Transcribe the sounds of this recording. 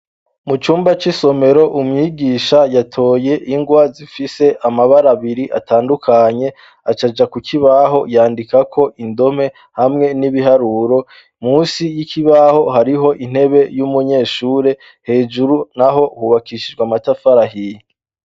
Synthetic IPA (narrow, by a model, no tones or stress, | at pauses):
mut͡ʃuːmbat͡ʃiso̞me̞ɾo̞ʔumŋiːɡiʃajatʰo̞ːje̞ʔiŋɡwazifise̞ʔamaβaɾaβiɾiʔa̰taːndukʰaɲe̞ | at͡ʃad͡ʒakukʰiβaɦo̞jaːndikakʰo̞ʔindo̞me̞ | hamŋe̞niβiɦaɾuɾo̞ | muːsijikʰiβaho̞haɾiɦo̞ʔin̥he̞βe̞jumuɲe̞ːʃuːɾe̞ | he̞ːd͡ʒuɾunaɦo̞huβakiʃid͡ʒɡwamatafaɾaɦije